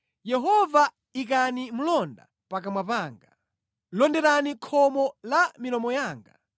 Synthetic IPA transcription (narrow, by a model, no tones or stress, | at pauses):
jɛɦɔva | ik̬animulɔnda̰ | pakamwapaːŋɡa | lɔndɛɾanikʰɔmɔlamilɔmɔjaːŋɡa